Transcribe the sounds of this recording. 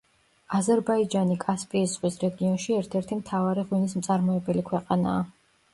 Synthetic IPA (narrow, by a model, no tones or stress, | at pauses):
azɛɾbaid͡ʒanikʼaspʼiːsʁwisɾɛɡiɔnʃiɛɾt̪ʰɛɾt̪ʰimt̪ʰavaɾiʁwinismt̪sʼaɾmɔɛbɛlikʰwɛqʼana̰ː